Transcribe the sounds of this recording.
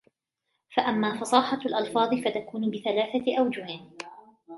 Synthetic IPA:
faʔamːaːfɑsˤɑːħɑlʔɑlfɑːðˤɨfat̪akuːnbɪθalaːθaʔawd͡ʒʊhɪn

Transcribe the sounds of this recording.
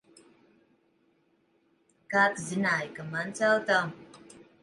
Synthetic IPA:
kaːt̪zinaːjkamant̪salt̪aw

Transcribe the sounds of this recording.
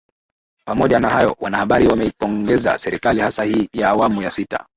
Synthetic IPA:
pamɔʄanahajɔ̰wanahaɓaɾiwamɛipɔŋɡɛza̰sɛɾikalihasahiːjaːwamujasita̰

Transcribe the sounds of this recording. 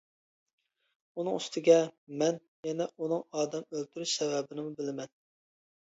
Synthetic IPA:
unɨŋyst̪ʰɪɡʲɛmɛn | jɛnɛʔunɨŋɑːd̪ɛmølt̪ʰyɾyʃsɛvɛbɪnɪmubɪlɪmɛn

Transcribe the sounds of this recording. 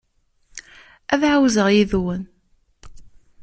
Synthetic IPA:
æðʕawzəʁjiðwən

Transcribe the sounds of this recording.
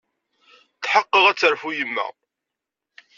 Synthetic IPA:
θħəqːəʁæt͡sːəɾfujəmːæ̰

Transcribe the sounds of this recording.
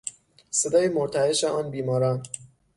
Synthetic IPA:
se̞d̪ɒːjemoɾt̪ʰæeʃeɒːnbiːmɒːɾɒːn

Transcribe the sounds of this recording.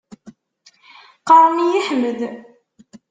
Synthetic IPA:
qɑɾˤmijəħməð

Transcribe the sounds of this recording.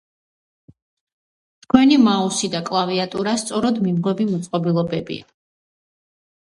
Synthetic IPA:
t̪ʰkʰwɛnimausid̪akʼlˠaviat̪ʼuɾast̪sʼɔɾɔd̪mimʁwɛbimut̪sʼqʼɔbilˠɔbɛbḭa

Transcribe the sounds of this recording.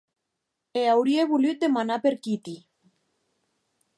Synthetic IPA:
eawɾieβulyt̪̚d̪emanapeɾkit̪i

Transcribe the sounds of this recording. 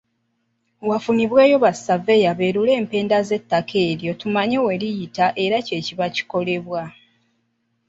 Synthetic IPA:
wafuniβwe̞ːjo̞βasave̞jaβe̞ːɾule̞ːmpe̞ːndaze̞tːakʰe̞ːɾjo̞tumaɲewe̞ɾijitaʔe̞ɾace̞ːciβaci̥ko̞le̞βwa

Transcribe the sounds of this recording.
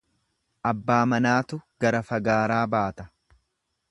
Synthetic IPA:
ʔɐbːaːmɐnaːt̪ʊɡ̥ɐɾɐfɐɡaːɾaːbaːt̪ɐ̥

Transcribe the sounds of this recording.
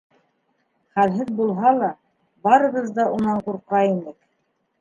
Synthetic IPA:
χælɦɘðbulˠɦɑlˠɑ | bɑɾɤ̆ʁɤzd̪ɑunɑɴquɾqɾɑjinɘk

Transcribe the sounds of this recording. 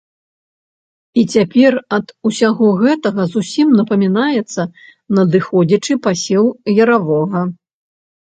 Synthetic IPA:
it͡sʲapʲɛrɐd̪usʲaɣɔɣɛt̪ɐɣɐzusʲimnɐpɐmʲinajɛt̪sːɐ | nɐd̪ɨxɔd͡zʲɐt͡ʂɨpasʲɛwjɐɾavɔɣɐ

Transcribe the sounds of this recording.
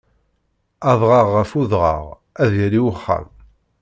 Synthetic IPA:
ɑðˤʁɑʁːəfuðʁɑ̰ʁ | æðjəɾiwəχːæ̰m

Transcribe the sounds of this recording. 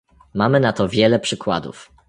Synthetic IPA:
mamɘnat̪ɔvʲjɛlɛpʂɘkwa̰d̪ṵf

